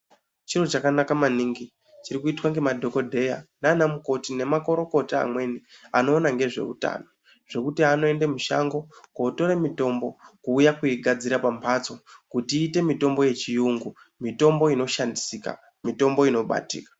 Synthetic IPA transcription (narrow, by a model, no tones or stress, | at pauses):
t͡ʃirot͡ʃakanakamaniŋɡi | t͡ʃiɾikuitwaŋɡe̞madʱo̞ko̞dʱe̞janaːnamuko̞tine̞mako̞ɾo̞ko̞taa̰mwe̞nia̰no̞ːnaŋɡe̞ʐe̞̰ṵta̰ːno̞ | ʐ̥e̞kutiano̞e̞ndemuʃa̰ŋɡo̞koːto̞ɾemito̞mbo̞kuːjakuiɡʱad͡ziɾapampʰat͡so̞kutiːte̞mito̞mbo̞je̞t͡ʃijuŋɡu | mito̞mbo̞ino̞ʃandisika̰ | mito̞mbo̞ino̞ɓa̰tḭːkḁ